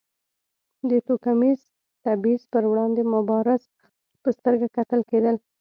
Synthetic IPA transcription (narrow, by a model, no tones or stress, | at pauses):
d̪ət̪okamiz | t̪abizpəɾwɽɑnd̪emʊbɑɾɪz | pəst̪əɾɡakat̪əlked̪əl